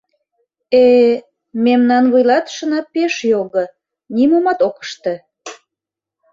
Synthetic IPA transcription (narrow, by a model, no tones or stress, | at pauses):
e | memnɑnβujlɑt̪ʃə̆nɑpeʃjoɣə | nimomɑt̪okə̥ʃt̪ĕ